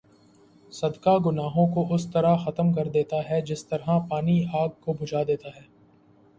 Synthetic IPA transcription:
sɐd̪kaɡʊnaːɦõkoʊst̪ɐɾaxɐt̪əmkɐɾd̪eːt̪aɦɛd͡ʒɪst̪ɐɾɦapaːniaːɡ̚kobʱʊd͡ʒʱaːd̪eːt̪aɦɛː

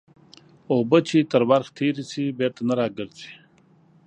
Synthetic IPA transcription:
oːbət͡ʃʰit̪əɾwaɾxt̪ʰiɾisibeːt̪anaɾaːɡəɾt͡si̥

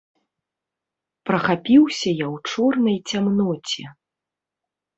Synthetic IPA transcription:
pɾɐxapʲiwsʲɐjawt͡ʂɔrnɐjt͡sʲamnɔt͡sʲɛ

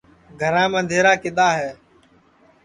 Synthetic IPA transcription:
ɡʱəɾãːmə̃nd̪ʱeːɾaːkɪɗ̪aːɦɛː

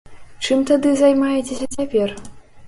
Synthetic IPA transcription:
t͡ʂɨmt̪ad̪ɨzajmajɛt͡sʲesʲɐt͡sʲapʲɛr

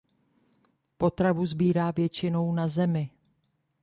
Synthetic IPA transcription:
po̞t̪ɾavuzbiːɾaːvjɛt͡ʃɪno̞wnazɛmɪ

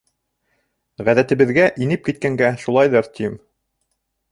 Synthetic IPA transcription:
ʁæðæt̪ɘ̆βɘ̆ðɡæʔinɘp̚kit̪̚kæŋɡæʃulˠɑjðɤɾt̪ʰʲim

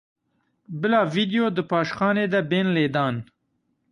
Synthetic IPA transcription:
bɪlɑːvid̪ijod̪əpɑːʃxɑːned̪abeːnleːd̪ɑːn

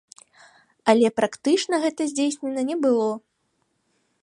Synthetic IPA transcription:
ɐlʲɛpɾakt̪ɨt͡ʂnɐɣɛt̪ɐzʲd͡zʲejsʲnʲɛnɐnʲɛbɨlˠɔ

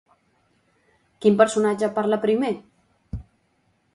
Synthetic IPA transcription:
kimpəɾsunad͡ʒapaɾlapɾime

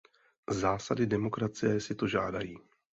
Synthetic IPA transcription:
zaːsadɪdɛmo̞kɾat͡sɪjɛsɪt̪o̞ʒaːdajiː

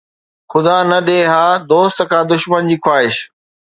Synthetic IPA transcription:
xʊd̪aːnɐɗẽːɦaːd̪oːst̪kʰãːd̪ʊʃmənd͡ʑiːkwaːɦɪʃ

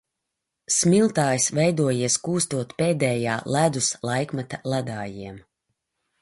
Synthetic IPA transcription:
smʲilˠt̪aːjsvɛjd̪uɔjiɛskuːst̪uɔt̪pɛːd̪ɛːjaːlˠæd̪uslˠajkmat̪alˠad̪aːjiɛm

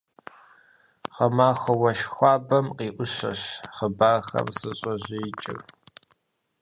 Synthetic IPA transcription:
qɐmaːxʷɐwɐʃxʷɑːbɐmqiːʔʷʊɕɐ̰ɕχəbaːxɐ̰msɨɕʼɐʑit͡ʃʼɪ̰r

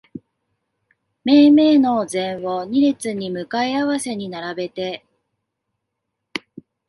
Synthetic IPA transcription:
me̞ːme̞ːno̞zẽ̞ɰ̃βoɲ̟iɾet͡sɨɲ̟imɯ̟kaiaβase̞ɲ̟inaɾabe̞t̪e̞

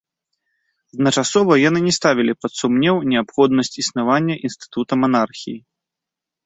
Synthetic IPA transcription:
ɐd̪nɐt͡ʂasɔvɐjanɨnʲɛst̪avʲilʲipɐt̪sumnʲɛwnʲɛapxɔd̪nɐsʲt͡sʲisnavanʲːɐʔinst̪ɨ̥t̪ut̪ɐmanarxʲiji

